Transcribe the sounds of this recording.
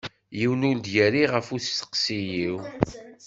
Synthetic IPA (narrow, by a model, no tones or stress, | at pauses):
jiwnuld̪jæɾiʁəfusə̥qsijiw